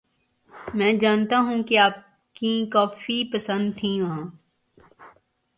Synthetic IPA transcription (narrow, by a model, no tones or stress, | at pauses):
mɛ̃ːd͡ʒaːnt̪aɦũkeaːp̚ | kikɔːfipɐsə̃nd̪̚t̪ʰĩːʋɐɦãː